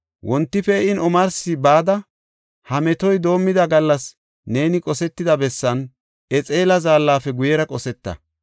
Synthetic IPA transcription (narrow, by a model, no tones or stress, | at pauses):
wʔɔnt̪ːɪfɛɪnɔmɐɾsɪbaːd̪ɐ | hɐmɛt̪ɔjd̪o̞ːmːɪd̪ɐɡɐlːɐs | ne̞ːnɪkʼɔsɛt̪ːɪd̪ɐbɛsːɐn | ʔɛt͡sʼeːlɐzaːlːaːfɛɡʊjɛɾɐkʼɔsɛt̪ːɐ̰